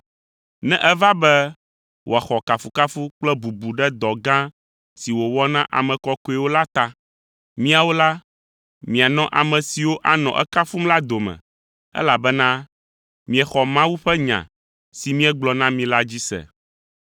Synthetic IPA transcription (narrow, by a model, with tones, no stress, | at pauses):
nɛ̃˦ʔɛ˦va˦bɛ˦ | wʔo˨a˨xɔ˨ka˨fu˨ka˦fu˦k͡plɛ˦bu˨bu˨ɖɛ˦d̪ɔ˨ɡã˦ | si˨wo˨wɔ˦nã˦ʔa̰˨mɛ̃˨kɔ˦ko˦ɛ˨wo˦la˦t̪a˦ | mĩ˦a˨wo˦la˦ | mĩ˨a˨nɔ̃˦ʔa˨mɛ̃˨si˨wo˦ʔa˨nɔ̰̃˨ʔɛ̰˦ka˦fu˦mla˦d̪o˨mɛ̰̃˨ | ɛ̰˦la˨bɛ˦nã˦ | mĩ˨ɛ˨xɔ˨mã˦wu˦ɸɛ˦ɲã̰˨ | si˨mĩ˦ɛ˦ɡ͡blɔ˨nã˦mĩ˨la˦d͡ʑi˦sɛ̰˨